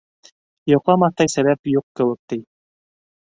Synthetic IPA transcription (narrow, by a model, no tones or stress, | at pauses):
joqlˠɑmɑθt̪ɑjsæβæpjuq̚kɘ̆wɘ̆k̚t̪ij